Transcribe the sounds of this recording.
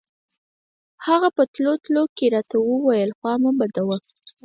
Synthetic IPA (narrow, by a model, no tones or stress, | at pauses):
haɣapət̪lot̪lokeɾɑt̪awəwajəlxwɑmubad̪awə